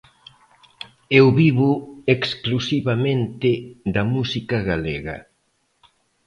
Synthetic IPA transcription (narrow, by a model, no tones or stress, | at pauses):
ewβiβʊeksklusiβamẽnt̪ɪd̪ɐmusikɐɣaleɣɐ̰